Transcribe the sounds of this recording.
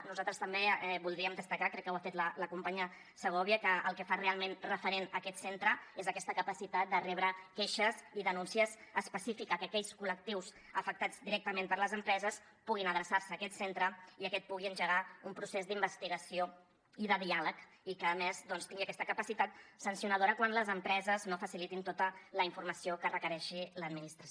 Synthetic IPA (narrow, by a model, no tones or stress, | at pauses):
nuzalt̪ɾəst̪əmbeɛbulˠd̪ɾiəmd̪əst̪əkakɾɛkːəwafet̪lələkumpaɲə | səɣ̞ɔβiəkəə̰lˠkəfarealˠmenrəfəɾenəkɛt̪sent̪ɾəezəkɛst̪əkəpəsit̪at̪̚d̪ərɛβɾəkɛʃəziðənunsiəzəspəsifikəkəkɛʎskulək̚t̪iws | əfək̚t̪ad͡zd̪iɾɛk̚t̪əmempəɾləzəmpɾɛzəs | puɣ̞inəðɾəsaɾsəːkɛt̪sent̪ɾəiəkɛt̪̚puɣiənʲʒəɣ̞aumpɾusezd̪imbəst̪iɣəsio | iðəðialək | ikəːmezðɔnst̪iŋɡiəkɛst̪əkəpəsit̪at̪̚sənsjunəð̞oɾəkwanləzəmpɾɛzəznofəsilit̪int̪ot̪ələiɱfuɾməsiokərəkəɾɛʃiləd̪minist̪ɾs